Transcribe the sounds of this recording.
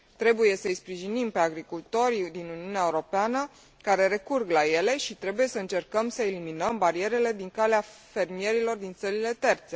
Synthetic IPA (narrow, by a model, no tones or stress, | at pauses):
t̪ɾe̞buje̞səɨjspɾiʒinimpe̞aɡɾikult̪o̞ɾʲd̪inuniuneaeuɾo̞peanə | kaɾe̞ɾe̞kurɡlaje̞le̞ʃit̪ɾe̞buje̞səɨnt͡ʃe̞rkəmsəeliminəmbaɾie̞ɾe̞le̞d̪iŋkaleafe̞rmije̞ɾilo̞rd̪int̪səɾile̞t̪e̞rt̪se̞